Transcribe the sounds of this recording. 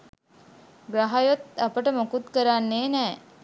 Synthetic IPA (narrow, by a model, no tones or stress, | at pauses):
ɡɾaɦajot̪apəʈəmokut̪kəɾanːeːnɛː